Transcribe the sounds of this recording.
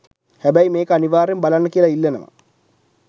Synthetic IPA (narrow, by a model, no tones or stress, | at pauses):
hæbæjmeːkəaniʋaːɾjembalanːəkiəlailːenə̰mə̰